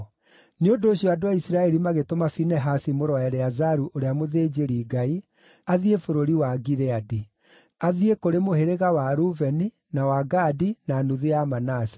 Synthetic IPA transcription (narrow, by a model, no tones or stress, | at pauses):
neondoːɕiɔadoaisiɾaɛɾimaɣetomafinɛɦasimoɾɔɛɾɛazaɾuʔoɾeamoðeːd͡ʑeɾiːɡai | aðiefoɾoɾiwaɡiɾɛadi | aðiekoɾemoheɾeɣawaɾuvɛni | nawaɡaːdinaːnuðejamanasi̥